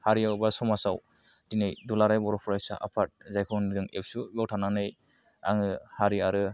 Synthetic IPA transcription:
haɾiawbasɔmasaw | dinajdulaɾajbɔɾɔpʰɔɾajsa̰ʔa̰pʰat̚zajkʰɔndɯŋḛp̚subawtʰananɯj | a̰ŋɯhaɾiaɾɯ

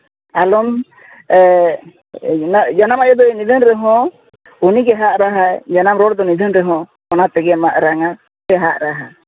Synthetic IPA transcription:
alɔm | d͡ʒanamajɔd̪ɔnid̪ʱənɾɛɦɔ̃ | uniɡɛɦaʔɾaɦad͡ʒanamɾɔɽd̪ɔnid̪ʱənɾɛɦɔ̃ | kɔnat̪ɛɡɛmaʔɾaŋa | ɛɦaʔɾaɦa

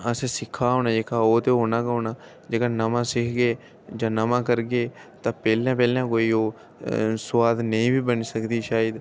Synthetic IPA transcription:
əsẽːsɪkʰːaːɦoːnaːd͡ʒeːkaːoːt̪eːɦoːnaːkoːnãː | d͡ʒeːkaːnəmãːsɪkʰɡeː | d͡ʒãːnəmãːkəɾɡeːt̪ãːpɛːlãːpɛːljãːkoːiːoː | sʊʋaːd̪nəĩːbiːbənsəkd̪iːʃaːəd̪

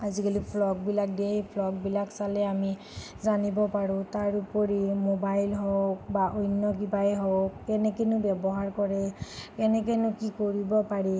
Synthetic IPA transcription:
azikulipʰlɔɡ̚bilak̚depʰlɔɡ̚bilaksalɛami | zanibɔpaɹʊ̃taɹupɔɹimobajlɦɔkbaʔojnːɔk̬ibajɦɔkːɛnɛkenʊbɛbɔɦaɹkɔɹɛkɛnɛk̬enʊkikoɹibɔpaɹi

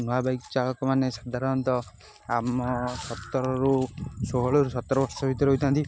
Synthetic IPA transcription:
nɔwabajkt͡ʃalɔkɔmanesad̪ʱaɾɔnt̪ɔ | amɔsɔt̪ːɔɾɔɾusoɦɔɭɔɾusɔt̪ːɔɾɔbɔɾsɔbʱit̪ɔɾeɦojt̪ʰant̪i

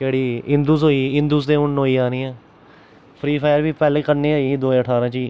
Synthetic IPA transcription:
keːɽiːɪ̃nd̪uːzɦoːiːɪ̃nd̪uːsd̪ẽːʊnːɦoːiːaːniːɛ̃ː | pʰɾiːpʰaːjəɾʋiːpɛːleːkəɾneːaːiːiːd̪oːẽːəʈʰaːɾãːt͡ʃiː

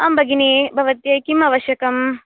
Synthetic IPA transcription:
aːmbʱɐɡinibʱɐʋɐt̪jɐkimɐʋɐʃjɐkɐm

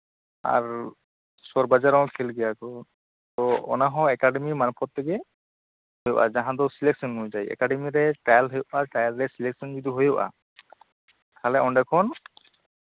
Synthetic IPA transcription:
a̰ɹ | sɔɹbazaɾawkʰɛlɡɛjakɔ | tɔɔ̰naɦɔ̃ɛkaɖɛmimanupʰɔt̪ʰːɛɡɛ | hojɔʔa̰zaɦãd̪ɔsilɛk̚sɔnɦojzajɛ̰kaɖɛmiɾɛʈajlɦɔjɔʔaʈajlɹɛsilɛksɔnzid̪uɦojɔʔa̰ | kʰalɛɔɳɖakʰɔn

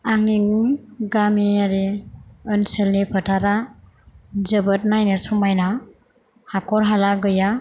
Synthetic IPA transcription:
aŋniŋɡamiaɾiɯnselnipʰətʰaɾa | d͡ʒəbɯt̚najnɯsumajna | hakʰɔɾɦalaɡɯja

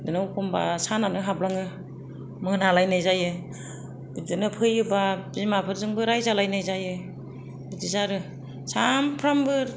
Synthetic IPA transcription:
dɯnɯwkʰɔmba̰sananɯɦablaŋɯ | mɯnalajnajzajɯ | bidɯnɯpʰɯjɯbabzimapʰɯɾzɯŋbɯɾajzalajnajzajɯ | bidizaɾɯ | sampʰɾambɯ

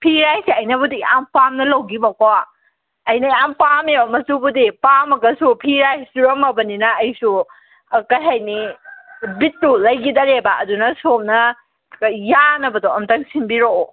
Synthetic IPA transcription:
pʰiɾajsiɐjnɐbudiampamnɐlɐwɡibɐkowa | ɐjnɐiampameamɐsubudipamɐɡɐsupʰiɾajsuɾɐmɐbɐninɐːjsu | kɐjɦajni | bitːulɐjɡidɐɾebɐʔɐdunɐsomnɐ | janɐbɐdoɐmtɐŋsinbiɾo

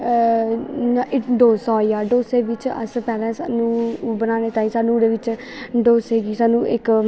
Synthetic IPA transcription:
naʔɪɖoːsɔːijaːɖoːseːʋɪt͡ʃə̰spɛːlɛ̃ːsa̰ːnũːbənaːneːt̪aːĩːsaːnũːd̪eːʋɪt͡ʃ | ɖoːsɦeːɡiːsaːnũːʔɪk

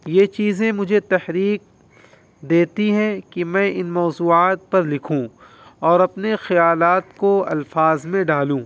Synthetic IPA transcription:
jet͡ʃiːzẽmʊd͡ʒʱet̪ɐhɾiːk̚ | d̪eːt̪iɦɛ̃kimɛ̃ʔɪnmɔːzuːaːt̪̚pɐɾlɪkʰũ | ɔːɾɐpnexɐjaːlaːt̪koɐ̰lfaːzmẽɖaːlũː

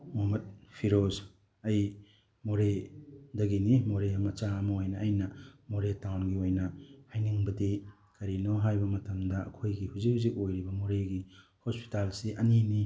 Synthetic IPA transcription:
momɐt̚pʰiɾos | ɐj | moɾedɐɡinimoɾeɐmɐt͡ʃaɐmɐojnɐːjnɐmoɾetawnɡiojnɐhajniŋbɐdi | kɐɾinoɦajbɐmɐtɐmdɐɐ̰kʰojɡihuzik̚huzik̚ojɾibɐmoɾeɡihospi̥talsiʔɐnini

